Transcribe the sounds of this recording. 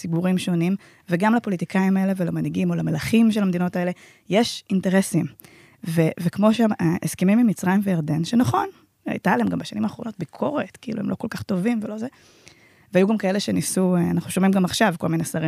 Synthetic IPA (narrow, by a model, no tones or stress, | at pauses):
sibuʁimʃonim | veɡamlapo̞litikʰaimae̞le̞velamaniɡimo̞lamelaχimʃ̬elhamed̪ino̞tae̞le̞ | jeʃinte̞ʁesim | vevekmo̞ʃamaʔeskimimimit͡sʁajimvejaʁd̪enʃenaχo̞n | a̰jt̪alhemɡambeʃanimaːχʁo̞no̞t̚bikʰo̞ʁetkiḭluemlo̰ko̞lkaχto̞vimvelo̞ze | veajuɡamkae̞le̞ʃe̞nisueanaχnuʃo̞mimɡamaχʃavko̞lminesaʁi